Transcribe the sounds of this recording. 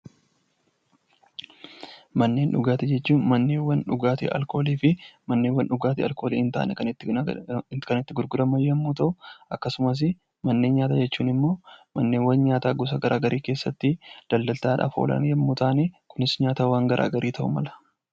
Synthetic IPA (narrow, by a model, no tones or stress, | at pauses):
mɐnːe̞ːnᶑʊɡaːt̪ɛd͡ʒɛt͡ʃːuːnmɐnːeːwɐnᶑʊɡaːt̪ḭʔɐ̰lko̞ːliːfɪmɐnːewɐnᶑʊɡaːt̪ɪɐ̰lko̞ːlḭːɪnt̪a̰ːnɛkɐnː | kɐnɪt̪ːɪɡʊɾɡʊd̪ɐmɐjːɐmːuːt̪ɐʔʊʔɐkːɐsʊmɐs̬ɪ | mɐnːe̞ːnɲaːt̪ad͡ʒɛt͡ʃːuːnɪmːo̞ːmɐnːeːwɐnɲaːt̪aːɡɔs̬ɐɡɐɾʔaːɡɐɾʔiːke̞ːsːɐt̪ːɪd̪̥ɐld̪ɐlt̪aːᶑa̰ːfo̰ːlɐ̰njɐmːuːt̪aːneːkʊnɪsɲaːt̪aːwaːŋɡɐɾʔa̰ːɡɐɾʔiːt̪ʰɐʔʊmɐ̰lɐ̥